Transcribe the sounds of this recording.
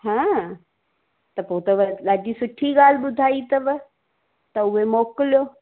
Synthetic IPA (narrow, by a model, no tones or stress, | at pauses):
ɦãː | t̪ɐpoːt̪ɐʋɐɗaːd͡ʑisʊʈʰiɠaːl̤ɪɓʊd̪ʱaːit̪ɐʋɪ | t̪ɐʊɦemoːkɪlijoː